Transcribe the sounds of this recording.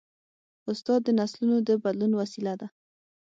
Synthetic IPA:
ʊst̪ɑd̪ːənaslunod̪əbad̪lunwasilad̪a

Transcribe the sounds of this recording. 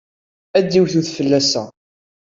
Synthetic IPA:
æd̪ːiwθuθfəlːæsæ

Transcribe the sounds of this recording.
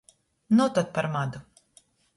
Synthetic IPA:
nɔt̪at̪̚paɾmad̪u

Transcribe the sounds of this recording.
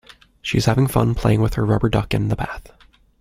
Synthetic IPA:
ʃḭɨz̥hævɪ̃ŋfʌ̰̃npʰl̥eɪɪ̃ŋwɨð̥ə˞ɹʌbə˞dʌkɨ̰̃nðəbæθ

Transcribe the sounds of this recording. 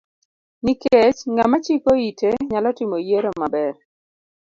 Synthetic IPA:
niket͡ʃŋamat͡ʃikoiteɲalɔtɪmojeɾomabɛr

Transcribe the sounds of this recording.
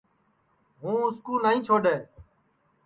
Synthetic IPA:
ɦũːʊskuːnaːĩːt͡ʃʰoːɖeː

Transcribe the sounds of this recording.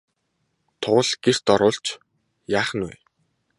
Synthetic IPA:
t̪ʰʊːə̆ɮɡ̥er̥t̪ɔɾʊːɬt͡ɕ | jaːχə̆nwæ̰ː

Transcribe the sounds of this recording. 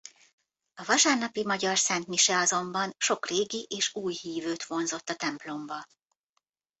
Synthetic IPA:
ɒvɒʃaːrnɒpimɒɟɒrsɛnt̪miʃɛɒzo̞mbɒnʃo̞kreːɡiʔeːʃuːjhiːvøːt̪ʋo̞nzo̞t̪ːɒt̪ɛmplo̞mbɒ

